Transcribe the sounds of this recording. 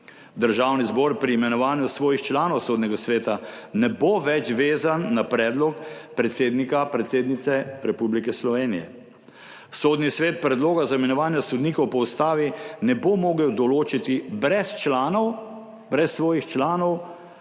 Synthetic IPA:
d̪əɾʒaːwnizbɔɾpɾiːmɛnɔʋaːnjusʋɔːjixt͡ʃlaːnɔwsoːd̪nɛɡasʋeːt̪anɛboʋɛt͡ʃʋeːzanːapɾɛːd̪lɔkpɾɛt̪seːd̪nikapɾɛt̪seːd̪nit̪sɛɾɛpublikɛslɔʋeːnijɛ̰ | soːd̪nisʋeːt̪̚pɾɛd̪loːɡazaimɛnɔʋaːnjasɔd̪niːkɔwpɔwst̪aːʋinɛbomoːɡɛɔd̪ɔloːt͡ʃit̪ibɾɛst͡ʃlaːnɔw | bɾɛsːʋɔːjixt͡ʃlaːnɔw

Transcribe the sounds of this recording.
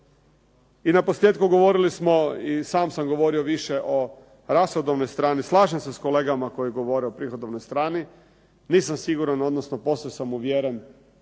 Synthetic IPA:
inapo̞slʲje̞ːt̪kuɡo̞ʋo̞ɾilismo̞isaːmsamɡo̞ʋo̞ɾioʋiʃeʔo̞ | ɾasxod̪oʋnojst̪ɾaːnislˠaːʒemsesko̞leːɡamako̞jiɡo̞ʋo̞ɾɛopɾixod̪oʋnojst̪ɾaːni | niːsamsiɡuɾano̞d̪nosnopo̞sesamuʋjeːɾen

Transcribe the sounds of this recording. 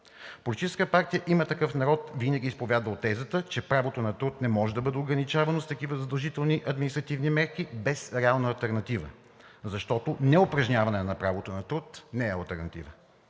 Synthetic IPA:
polʲit̪it͡ʃɛskət̪paɾt̪ijəʔimət̪ɐkɤfnɐɾɔt̪vinɐɡʲiːspovʲjad̪vəot̪ːɛzət̪ət͡ʃɛpɾavot̪onɐt̪ɾut̪nɛmɔʒɛd̪ɐbəd̪ɛoɡɾɐnit͡ʃavɐnost̪ɐkivəzɐd̪ɐlˠʒit̪ɛlˠniʔɐd̪minist̪ɾɐt̪ivnimɛɾkibɛsɾɛalˠnəɐlˠt̪ɛɾnɐt̪ivə̰ | zɐʃt̪ɔt̪onɛopɾɐʒnʲavɐnɛnɐpɾavot̪onɐt̪ɾut̪nɛɛɐ̰lˠt̪ɛɾnɐt̪ḭvə

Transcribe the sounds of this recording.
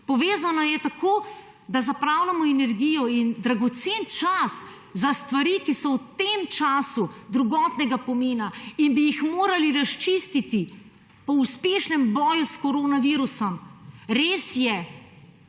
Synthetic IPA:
pɔʋeːzanɔjɛt̪akoː | d̪azapɾaːwlamɔɛnɛɾɡijɔind̪ɾaɡɔt̪seːnt͡ʃas | zast̪ʋaɾiːkisɔwt̪emt͡ʃaːsud̪ɾuɡɔt̪nɛɡapɔmeːnainbijixmoːɾaliɾast͡ʃist̪it̪i | pɔuspeːʃnɛmbɔːjuskɔɾoːnaʋiːɾusɔmɾeːsjɛ

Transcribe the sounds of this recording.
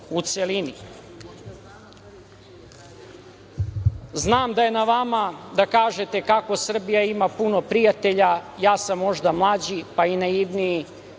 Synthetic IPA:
ut̪selini | znaːmd̪aje̞naʋamad̪akaːʒet̪e̞kako̞sr̩bijaimapuno̞pɾijat̪e̞ʎajaːsamːo̞ʒd̪amlˠaːd͡ʑipainajiʋniji

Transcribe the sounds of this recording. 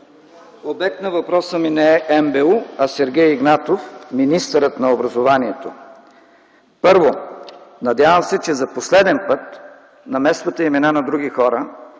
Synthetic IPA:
obɛk̚t̪nɐvɐpɾɔsəminɛɛʔɛmbɛuɐsɛɾɡʲɛjiɡnat̪ofminist̪əɾət̪nɐobɾɐzovaniɛt̪o | pɤɾvonɐd̪ʲavəmsɛt͡ʃɛzɐposlɛd̪ɛnpɤt̪ | nɐmɛst̪vət̪əimɛnanɐd̪ɾuɡʲixɔɾə

